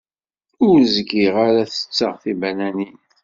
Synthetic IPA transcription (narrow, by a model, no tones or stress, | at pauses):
ʊɾzəɡiʁaɾæθə̥t͡sːə̰ʁθibænænin